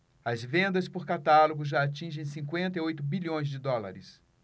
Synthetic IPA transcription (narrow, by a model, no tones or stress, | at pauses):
ɐzvẽnd̪ɐspʊɾkat̪aloɡʊʒaat͡ʃĩʒẽj̃sĩkwẽnt̪ɐiojt̪ʊbiʎʲõj̃zd͡ʒɪd̪ɔla̰ɾɪs